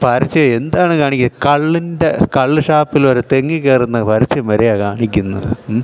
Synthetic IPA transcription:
pɐɾɐt͡ɕːɐend̪aːɳɨkaːɳikʲːnkɐɭːinde̞kɐɭːɨʂaːpːiloɾut̪eŋːikeːrunːɐpɐɾit͡ɕːɐmɐɾejaːkaːɳikʲːunːɐ̰ðɨ̰

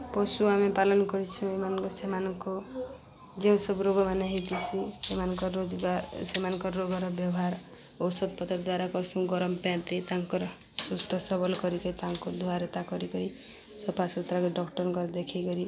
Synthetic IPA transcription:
pɔsuamipalɔnɔkɔɾit͡ʃʰũemanɔŋkɔsemanɔŋkɔ | d͡ʒeũsɔbɾoɡɔmaneɦet̪it͡ʃʰisemanɔ̃kɔod͡ʒɡasemanɔŋkɔɾɾoɡɔɾɔbjɔɦaɾ | ɔwsɔd̪̚pɔt̪ɔɾd̪waɾakɔɾsũɡɔɾɔmɔpãt̪it̪aŋkɔɾ | sust̪ʰɔsɔbɔlkɔɾikɔɾit̪aŋkɔd̪ʱuaɾɔt̪akɔɾikɔɾi | sɔbpasɔt̪ɾakeɖɔkʈɔɾkɔɾd̪ekʰikɔɾi

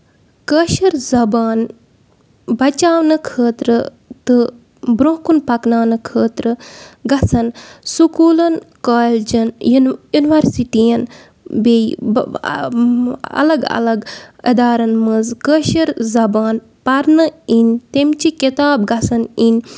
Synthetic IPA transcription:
kəʃɐɾzɐbaːn | bɐt͡ʃaːwnɨkʰəːt̪ɾɨ | t̪ɨ | bɾõːkunpɐknaːnɨkʰəːt̪ɾəɡɐsɐnsukuːlɐnkaːld͡ʒɐnjjuniʋɐɾsiʈijɐn | bej | ɐ̰lɐɡɐ̰lɐɡɐ̰d̪aːɾɐnmɐzkəːʃɐɾzɐbaːn | pɐɾnɨinʲt̪emt͡ʃikit̪aːbɡɐsɐnin

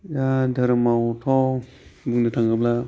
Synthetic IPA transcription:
jadaɾmawtʰɔ | buknitʰaŋɡɯpla

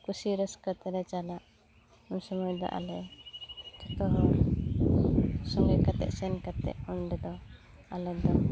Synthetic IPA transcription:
kusiɾəskət̪ɛɾɛt͡ʃalaʔ | unsɔmujd̪ɔ̰ʔa̰lɛ | kɔt̪ɔɦɔ | sɔŋɡɛkat̪ɛ̰ʔsɛnkat̪ɛ̰ʔunɖɛd̪ɔ | a̰lɛd̪ɔ

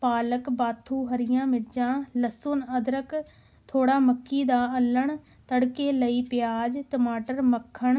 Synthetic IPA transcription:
paːləkbaːt̪ʰːuːɦəɾɪjãːmɪɾd͡ʒãːləsʊːnəd̪ɾək | t̪ʰoːɽaːməkːiːd̪aːəlːəɳ | t̪əɽkeːləiːpɪjaːd͡ʒt̪əmaːʈəɾməkʰːəɳ

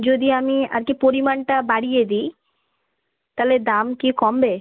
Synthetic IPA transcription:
d͡ʑod̪iamia̰ɾkipoɾimanʈabaɽijed̪i | t̪aled̪amkikɔmbe

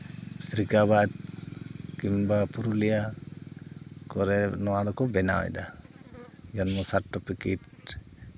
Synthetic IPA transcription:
sɾikabat̪̚ | kimbapuɾulɛja | kɔɾɛnɔwad̪ɔkɔbɛna̰wɛ̰jd̪a | d͡ʒɔnmɔsaʈːɔpikiʈ

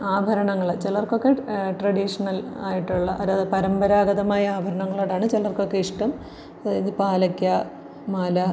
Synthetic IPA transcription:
aːbʱɐɾɐɳɐŋːɐɭt͡ɕelɐrkːo̞kːe̞ʈrɐɽiʂɐnɐl | aːjiʈːuɭːɐʔɐðaːðɨpɐɾɐmbɐɾaːɡɐðɐmaːjɐaːbʱɐɾɐɳɐŋːɐɭoːɽaːɳɨt͡ɕelːɐrkːo̞kːe̞iʂʈɐm | iðɨpaːlɐkʲːja | maːlɐ

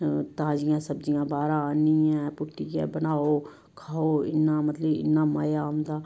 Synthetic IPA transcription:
t̪ãːd͡ʒijãsəbd͡ʒijãbaːɾaniɛ̃ːpʊʈːiɛ̰̃bənaːo | kʰaːoɪ̰nːamɐt̪ləbɪ̰nːamaːjamd̪aː

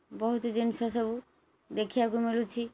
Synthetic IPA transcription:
bɔɦut̪ɔd͡ʒinsasɔbu | d̪ekʰiaɡumilut͡ʃʰi

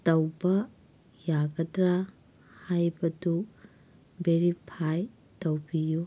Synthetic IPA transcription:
tɐwbɐ | jaɡɐdɾa | hajbɐdu | beɾipʰaj | tɐwbiju

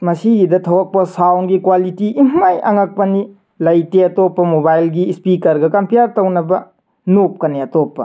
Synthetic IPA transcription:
mɐsiɡidɐtʰɐwɐk̚pɐsawnɡikwalitiʔimmajʔɐŋak̚pɐni | lɐjteɐtopːɐmobajlɡispikɐɾɡɐkɐmpʰijaɾtɐwnɐbɐ | nop̚kɐneɐtopːɐ̰

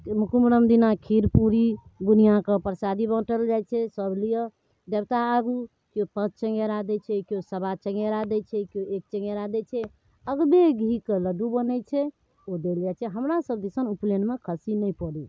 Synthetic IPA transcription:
mukumɾəmd̪inakʰiɾpuɾid̪unijakəpɾsad̪ibə̃ʈəld͡ʒajt͡ʃʰɛsəblijə | d̪ebt̪aːɡu | kopət̪̚t͡ʃəŋɡeɾad̪ɛt͡ʃʰɛkjosəbat͡ʃə̃ŋɡeɾad̪ɛt͡ʃʰɛkoek̚t͡ʃə̃ŋɡeɾad̪ɛt͡ʃʰɛ | əɡbeɡʱikələɖubənɛt͡ʃʰɛ | od̪eljat͡ʃʰɛɦəmɾasəb̚d̪isənuplenmekʰəsinəjpɔɽi

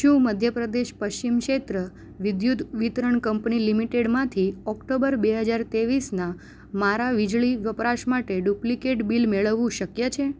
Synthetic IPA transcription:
ʃũməd̪ʱjəpɾəd̪eʃpəʃt͡ʃimkʃet̪ɾə | ʋid̪jud̪ʋit̪ɾəɳkəmpnilimiʈeɽmãt̪ʰiɔkʈobəɾbeɦəd͡ʒaɾt̪eʋisnã | maɾaʋid͡ʒɭiʋjəpɾaʃmaʈeɖuplikeʈbilmeɭəʋũʃəkjət͡ʃʰe

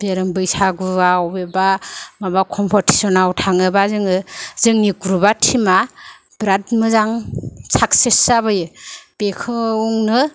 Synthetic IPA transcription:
b̥eɾɯŋbɯjsaɡuawbebamabakʰɔmpʰɔɾtʰi̥sɔnawtʰaŋɯbazɯŋɯzɯŋnikuɾubatʰima | bɾatmɯzaŋsʰak̚sesabɯjɯb̥ekʰɯuŋnɯ

